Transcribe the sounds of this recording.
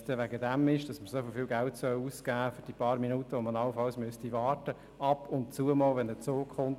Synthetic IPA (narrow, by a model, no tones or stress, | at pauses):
tɛʋæɡədæmɪʃd̥ɑsməsofɪlfiːlɡæltsœluːskæːfyɾd̥iːpɑːɾminuːtəʋomənɑləfɑlsmʏstiʋɑːrtə | ɑpʰʊntt͡suəmɔːlʋɛndət͡soːkχʊnt